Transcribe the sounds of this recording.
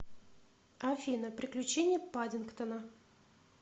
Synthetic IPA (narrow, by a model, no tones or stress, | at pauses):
ɐfʲinəpɾʲɪklʲʉt͡ɕenʲɪjəpadʲɪnkt̪ənə